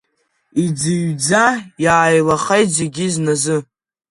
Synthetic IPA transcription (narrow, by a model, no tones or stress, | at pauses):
id͡zɨɥd͡zajaːjlaχejtzeɡʲiznazɨ